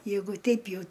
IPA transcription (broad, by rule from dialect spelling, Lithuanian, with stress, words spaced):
ˈjɛɪɡʊ ˈtʲɛɪp ˈjɛʊ